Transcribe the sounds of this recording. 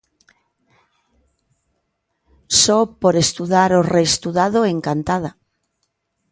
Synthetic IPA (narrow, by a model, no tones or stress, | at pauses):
sɔpoɾest̪uðaɾorest̪uðað̞oeŋkant̪að̞a